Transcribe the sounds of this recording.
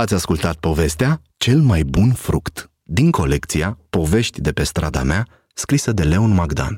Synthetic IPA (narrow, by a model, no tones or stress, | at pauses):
at̪sʲaskult̪at̪̚po̞ve̞st̪ea | t͡ʃe̞lmajbunfɾukt̪ | d̪iŋko̞le̞kt̪siapo̞ve̞ʃt̪ʲd̪e̞pe̞st̪ɾad̪a̰mea | skɾisəd̪e̞le̞onmaɡd̪a̰n